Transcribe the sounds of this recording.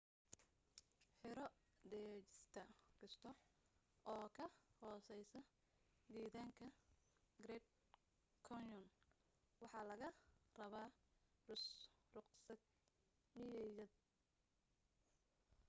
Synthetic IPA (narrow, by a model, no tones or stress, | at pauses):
ħɪɾɔ | d̪ɛːt͡ʃɪst̪ʰɐɡɐst̪ʰɔ | ʔɔːkʰɐhɔːsɛjsɐ | d̪iːðaːŋkʰɐɡrɛd̪̚ | kʰɔnjɔn | wɑħɑːlɐɣɐrɐβaːrʊsrʊqsɐɡ̪̚ | mɪjɛjɐd̪̚